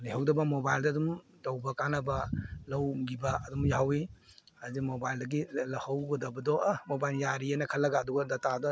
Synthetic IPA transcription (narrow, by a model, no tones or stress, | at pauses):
liɦawdɐbɐmobajldɐːdum | tɐwbɐkanɐbɐlɐwɡibɐɐdumjawi | hazik̚mobajldɐɡilɐhawɡɐdɐbɐdɔmobajljaɾianɐkʰɐlːɐɡaːduɡɐdɐtadɔ